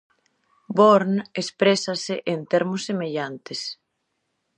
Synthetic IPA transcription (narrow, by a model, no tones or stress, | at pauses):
boɾnespɾesɐsɪʔent̪eɾmʊsːemeʎant̪es